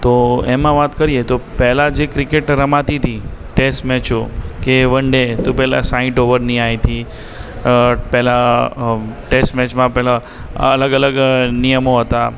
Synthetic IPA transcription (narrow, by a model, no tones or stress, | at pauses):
t̪oemãʋat̪kəɾiet̪opɛɦlad͡ʒekɾɪkeʈɾəmat̪it̪ʰiʈesʈmɛt͡ʃokeʋəɳɖet̪ũpɛɦla̰sãɪ̃ʈoʋəɾniajt̪ʰi | pɛɦla | ʈesʈmɛt͡ʃmãpɛɦla | ələɡələɡnijəmoɦət̪a